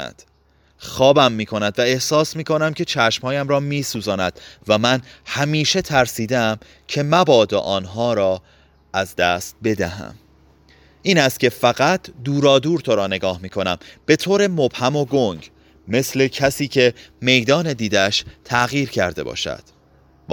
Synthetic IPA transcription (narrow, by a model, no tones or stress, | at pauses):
d̪̥ | xɒːbæmːiːkʰo̞næd̪væe̞hsɒːsmiːkʰo̞næmcʰe̞t͡ʃʰæʃmhɒːjæmɾɒːmiːsuːzɒːnæd̪̥væmænhæmiːʃe̞t̪ʰæɾsiːd̪eæm | cʰe̞mæbɒːd̪o̰ʔɒːnɦɒːɾɒː | ʔæzd̪æːst̪̚be̞d̪æɦæ̰m | ʔiːnæst̪̚cʰʲe̞fæɣæt̪ʰd̪uːɾɒːd̪uːɾt̪ʰoɾɒːne̞ɡɒːhmiːkʰo̞næmb̥e̞t̪ʰoːɾemob̥hæmo̞ɡoɲɟ | me̞sle̞cʰæsiːcʰe̞me̞jd̪ɒːne̞d̪iːd̪æʃt̪ʰæɣiːɾcʰæɾd̪e̞̰bɒ̰ːʃæ̰d̪̥